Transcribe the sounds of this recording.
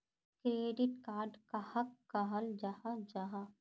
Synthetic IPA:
kɾeːɖɪʈkaːɾɖkahɐkːaɦəld͡ʒahad͡ʒaɦa

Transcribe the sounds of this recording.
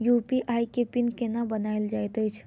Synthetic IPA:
jupiʔajkepinkenabənaild͡ʒajt̪əjt͡ʃʰ

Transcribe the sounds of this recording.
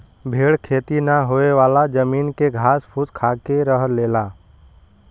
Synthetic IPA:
bʱeːɽkʰeːt̪inəɦoeʋaːlad͡ʒəmiːnkeɡʱaːspʰut̪kʰaːkeɾəɦleːlaː

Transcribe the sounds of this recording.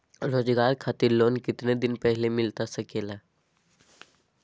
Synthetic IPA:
ɾoːd͡ʒɡaːɾkʰaːt̪iɾloːnkɪt̪ned̪ɪnpəɦlemɪlt̪asəkeːla

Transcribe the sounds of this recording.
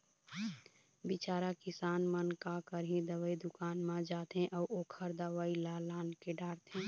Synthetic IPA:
bɪt͡ʃaːɾakɪsaːnmənkakəɾɦĩd̪əʋəid̪ʊkaːnmãd͡ʒaːt̪ɦẽʔɔːʔoːkʰəɾd̪əʋailalaːnkeɖaːɾt̪ɦɛ̃ː

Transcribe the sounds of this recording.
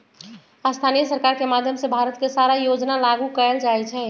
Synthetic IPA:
ast̪ʰanijəsəɾkaɾkemad̪ʱjəmsebʱaɾət̪kesaɾajod͡ʒnalaɡukəɛld͡ʒaɛt͡ʃʰɛ

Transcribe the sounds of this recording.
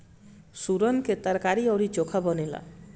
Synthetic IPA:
suɾɔnket̪aɾkaɾiɔɾit͡ʃokʰabɔnela̰

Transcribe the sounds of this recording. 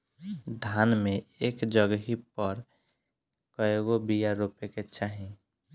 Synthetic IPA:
d̪ʱaːnmẽeːkd͡ʒəɡɦipəɾ | kəjoɡobijaɾupeket͡ʃʰaɦĩ

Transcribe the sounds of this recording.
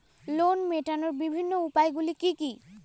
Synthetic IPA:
lonmeʈanɔɹbibʱinːoupajɡulikiki

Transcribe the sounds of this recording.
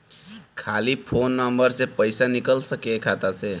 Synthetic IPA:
kʰalipʰonːəmbəɾsepəjsanikəlsəkekʰat̪at͡ʃʰe

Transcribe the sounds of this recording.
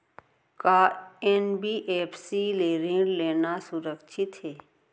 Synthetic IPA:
kaːenbiʔeːpʰsileːɾĩɖleːnasʊɾəkʃʰɪt̪ɦeː

